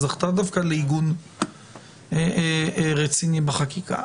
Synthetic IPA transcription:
zaχt̪ad̪afkaleiɡun | eʁet͡sinibeχakika̰

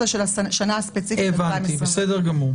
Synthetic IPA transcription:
aʃelaʃanaaspet͡sifeivant̪ibesedeʁɡamuʁ

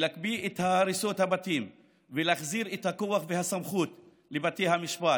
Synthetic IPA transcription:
lakbiet̪haɾiso̞thabatim | veleaχziʁethakoaχvehasamχut | lebatejhamiʃpa

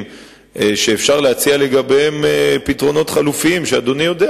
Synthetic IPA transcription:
m | eʃeːfʃaʁleat͡siale̞ɡabeemepitʁo̞no̞t̪χalufiimʃead̪o̞nijo̞de

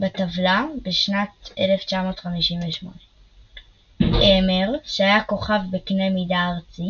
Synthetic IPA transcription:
batavlabeʃnateleft͡ʃamo̞ːtχamiʃinveʃmo̞̰ne | ʔemeʁʃeajako̞χavbeknemidaːʁt͡si

